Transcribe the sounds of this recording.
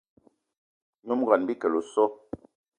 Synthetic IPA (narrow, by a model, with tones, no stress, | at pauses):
ɲu˦m˦ɡa˨nbi˦kə˨lo˨sɔ˦